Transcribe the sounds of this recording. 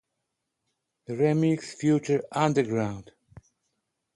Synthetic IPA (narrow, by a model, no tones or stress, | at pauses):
ðəɹɛmiksfjut͡ʃə˞ʌ̃ndə˞ɡɹãʊ̃nd̥